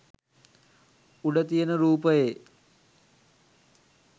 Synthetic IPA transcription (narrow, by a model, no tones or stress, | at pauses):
uɖət̪ijənəɾuːpəje